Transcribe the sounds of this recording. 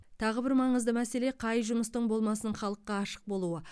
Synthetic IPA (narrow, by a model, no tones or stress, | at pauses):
t̪ʰɑʁəbɪɾmɑɴəzd̪əmæse̞le̞qʰɑjʒʊməst̪əɴbo̞lˠmɑsəɴχɑlˠəqːɑːʃə̥q̚bo̞lˠuə